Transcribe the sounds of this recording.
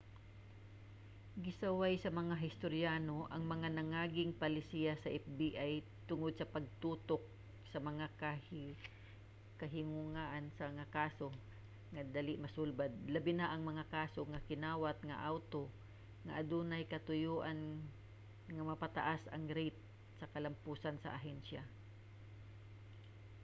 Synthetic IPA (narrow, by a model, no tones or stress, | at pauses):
ɡɪsɐwajsɐmɐŋaɦɪst̪oɾjaːno̞ʔɐŋmɐŋanɐŋaːɡɪŋpɐlɪsijasɐʔɛfbiʔaj | t̪ʊŋod̪̚sɐpɐɡ̚t̪uːt̪ok̚ | sɐmɐŋak | kɐɦɪŋʊŋaʔansɐŋakaːso̞ | ŋɐd̪aːlɪʔmɐsulbad̪̚lɐbɪnaʔɐŋmɐŋakaːsoŋɐkɪnaːwat̪̚ŋɐ̰ʔawt̪o̞ | ŋɐ̰ʔɐd̪unɐjkɐt̪ʊjuːʔan | ŋɐmɐpat̪ɐ̰ʔasɐ̰ŋɾɛjt̪̚ | sɐkɐlɐmpuːsɐnsɐ̰ʔaɦɛnʃa